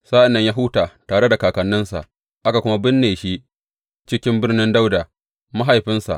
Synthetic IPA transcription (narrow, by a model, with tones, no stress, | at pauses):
saː˦ʔɪ˨nːɐ˦ɲjaː˦ɦuː˦taː˨taː˨ɽe˦da˨kaː˨kɐ˨nːɪ˦nsa̰˨ʔ | ʔa˦ka˨kʷʊ˦ma˦bɪ˦nːeː˨ʃi˦ʔ | t͡ʃɪ˦kʲɪ˦mbɪ˦rnɪ˦nda˦wda˨ | ma˦ɦa˨jɸɪ˦nsa̰˨ʔ